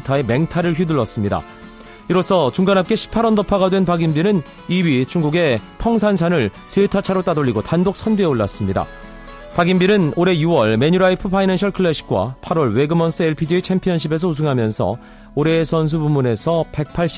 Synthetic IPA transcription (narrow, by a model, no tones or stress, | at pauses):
tʰae̞me̞ŋtʰaɾɯɭɸɥiduɭːʌs͈ɯmɲida̰ | iɾos͈ʰʌt͡ɕuŋɡanɦap̚k͈e̞ɕʰi̥pʰaɾʌndʌpʰaɣadwe̞npaɡinbinɯn | iɥit͡ɕuŋɡuɡe̞pʰjʌŋsʰans̬ʰanɯɭsʰetʰat͡ɕʰaɾot͈adoʎːiɡotandok̚s͈ʰʌndieoɭːas͈ɯmɲida̰ | paɡinbiɾɯnoɾe̞juwʌɭme̞ɲuɾaipʰɯpʰainanɕʰʌɭkʰɯɭːeɕʰi̥k̚k͈wa̰pʰaɾwʌɭwe̞ɡɯmʌns͈ʰɯeɭpʰid͡ʑiit͡ɕʰempʰijʌnɕ̬ʰibe̞s̬ʰʌus̬ʰɯŋɦamjʌnsʰʌ̰ | oɾe̞sʰʌns̬ʰubumune̞sʰʌpe̞k̚pʰaɭɕ͈